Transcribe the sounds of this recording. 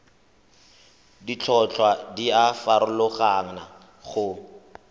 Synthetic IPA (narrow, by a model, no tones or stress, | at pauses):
dit͡ɬʰɔt͡ɬʰwadiafaɾʊlʊχaŋ̩na | χʊ